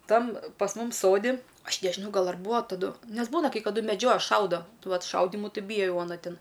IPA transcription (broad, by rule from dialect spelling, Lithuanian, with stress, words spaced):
ˈtɐm pɐs ˈmʊm ˈsoːdʲɪ ˈɐʃ nʲɛʒʲɪˈnɐʊ ˈɡɐlˠ ɐr ˈbuːɐ tɐˈdʊ ˈnʲɛs ˈbuːnɐ kɐɪ kɐˈdʊ mʲɛˈd͡ʒʲoːjɛ ˈʃɐʊdoː ˈʋɐt ˈʃɐʊdʲɪmʊ ˈtʲɪ ˈbʲiːjɛ ˈjɛʊ ɐˈnɐ ˈtʲɪn